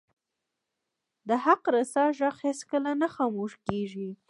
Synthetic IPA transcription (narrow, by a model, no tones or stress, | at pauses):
d̪əhaqɾasɑʒaxheskəlanaxɑmoʃkeʒi